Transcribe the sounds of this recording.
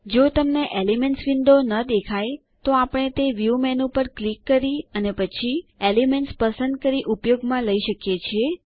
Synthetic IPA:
d͡ʒot̪əmneʔelimenʈsʋind̪onəd̪ekʰaj | t̪oapɽ̃et̪eʋjumɛnũpəɾklikːəɾiənepət͡ʃʰielimeɳʈspəsənd̪̚kəɾiʔupjoɡmãləiʃəkjet͡ʃʰie

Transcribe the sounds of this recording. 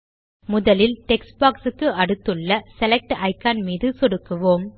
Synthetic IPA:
mʊðɐlɪlʈɛksbaːksɯkːɯɐɽɯt̪ːɯɭːɐsɛlɛk̚ʈʔɐɪkːaːnmiːðɯsɔɽɯkːɯʋoːm

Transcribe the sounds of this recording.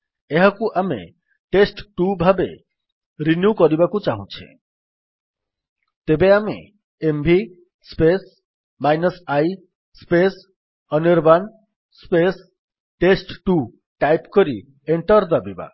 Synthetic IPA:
eɦakuʔamḛ | ʈesʈʈubʱabḛ | ɾinjukɔɾibakut͡ʃaɦũt͡ʃʰḛ | t̪ebeamḛ | embʱi | spes | majnɔsaj | spes | ɔniɾban | spes | ʈesʈʈu | ʈajpkɔɾi | eɳʈɔɾd̪abiba̰

